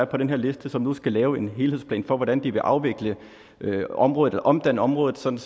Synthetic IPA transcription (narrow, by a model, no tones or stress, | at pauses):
ɐpʰɒ̽d̥enɦe̝ɐle̝sd̥əsɒ̽mnusɡ̥ælɛːʊe̝nɦe̝ːlhe̝ð̰ˠsplɛ̰ːnfɒ̽ʋɒɾ̥ænd̥iʋe̝ʔɑ̈ʊʋe̝ɡ̥lə | øɒ̽mʁɔ̽ːð̩ˠelɐʔɒ̽md̥æn̰əɒ̽mʁɔ̽ːðð̩ˠsɒ̽d̥n̩